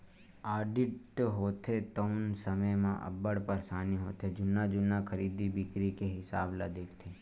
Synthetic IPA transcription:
aːɖɪʈɦoːt̪ʰet̪əʊnsəməjmã̰ʔə̰bəɽpəɾsaːniɦoːt̪ʰed͡ʒʊnːad͡ʒʊnːakʰəɾiːd̪ibɪkɾikeɦɪsaːblad̪eːkʰt̪ʰeː

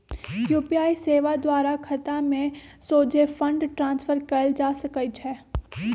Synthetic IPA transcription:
juːpiaːiseːʋad̪waːɾakʰɐt̪amẽsoːd͡ʒʱefɐ̃ɳɖʈɾãːnsfəɾkɐld͡ʒaːsɐkəit͡ʃʰɛ

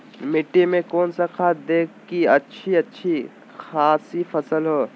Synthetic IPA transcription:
mɪʈːimẽkoːnsakʰaːt̪̚d̪eːkːiɐtːʃʰiɐtːʃʰi | xaːsifʰɐsəlɦoː

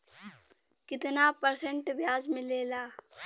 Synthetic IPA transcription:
kɪt̪napəɾsə̃ɳʈbjaːzmɪ̃leːlaː

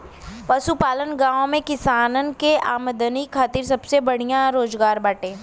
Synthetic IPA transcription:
pɐʃupaːlənɡãːõmẽkɪsaːnənkea̰ːməd̪ənikʰaːt̪iɾsɐbsebɐɽ̤ijãɾoːzɡaːɾbaːʈẽː

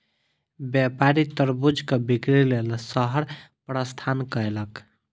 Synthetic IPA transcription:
bjapaɾit̪əɾbud͡ʒʱkəbikɾilelsəɦəɾ | pɾəst̪ʰankəelək

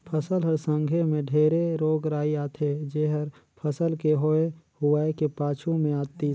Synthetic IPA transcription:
pʰəsəlɦəɾsə̃ŋɡʱemẽɖʱeːɾeɾoːɡɾaːiaːt̪ʰed͡ʒeɦəɾ | pʰəsəlkeɦoːehʊaːekepaːt͡ʃʰũmẽaːt̪i

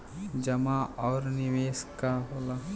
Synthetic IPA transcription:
d͡ʒɐmaɔːɾniʋeːskaɦola

